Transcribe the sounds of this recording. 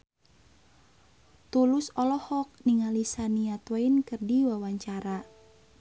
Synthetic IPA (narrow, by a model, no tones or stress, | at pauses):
t̪ulusɔlɔhɔk̚niŋalisaniat̪wainkɨrdiwawaɲt͡ʃaɾa